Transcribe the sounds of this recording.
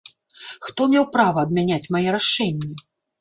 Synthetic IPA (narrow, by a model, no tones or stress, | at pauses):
xt̪ɔmʲɛwpɾavɐːd̪mʲanʲat͡sʲmajɛɾaʂɛnʲːɛ